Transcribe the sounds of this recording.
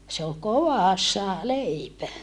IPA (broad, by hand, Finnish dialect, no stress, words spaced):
se ol koʋɑˑsːɑ leipæ